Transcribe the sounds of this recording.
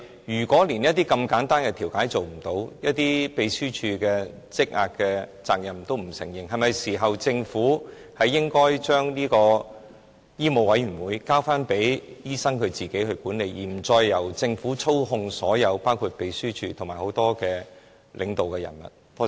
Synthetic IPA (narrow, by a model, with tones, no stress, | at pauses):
jyː˨˩kʷɔː˨˥liː˨˩njɐ˥t̚t̪iː˥kɐ˧mkaː˨˥nt̪aː˥nkɛ˧t̪ʰi˨˩wkaː˨˥jt͡so˨wm̩˨˩t̪o˨˧˥wjɐ˥t̚t̪iː˥pe˨jsyː˥t͡ʃʰyː˧kɛː˧ | t͡sɪ˥k̚ŋa̰ː˨˧k̚kɛː˧t͡sa̰ː˨k̚jɐ˨˩mt̪o˥wm̩˨˩sɪ̰˨˩ŋjɪ˨ŋɦɐ˨jmɐ˨jsiː˨˩ɦɐ˨wt͡sɪ˧ŋfuː˨˥ | hɐ˨jːɪ˥ŋkɔː˥jt͡ʃœː˥ŋliː˥kɔː˧ | jiː˥mo˨˧wɐ˨˥jɥyː˨˩nwuː˨˧jkaː˥wfaː˥npe˨˥jjiː˥sɐ˥ŋkʰɵ˨˧ɥt͡siː˨ke˨˥jɦɵ˧ɥkuː˨˥nle˨˧jjiː˨˩m̩˨˩t͡sɔː˧jːɐ˨˩wt͡sɪ˧ŋfuː˨˥t͡sʰo˥wɦʊ˧ŋsɔː˨˥jɐ˨˧wpaː˥wkʰuː˧t̚pe˨˧jsyː˥t͡ʃʰyː˧t̪ʰo˨˩ŋmaː˨˩jho˨˥wt̪ɔː˥kɛː˧ | lʔɪ̰˨ŋt̪o˨wkɛ˧jɐ̰˨˩nmɐ̰˨t̚t̪o˥